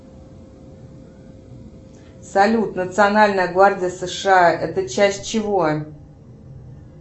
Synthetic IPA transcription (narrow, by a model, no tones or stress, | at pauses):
sɐlʲut̪nət̪sɨɐnalʲnəjəɡvardʲɪjəsəʂɨaʔɛt̪ət͡ɕæsʲt̚ʲt͡ɕɪvo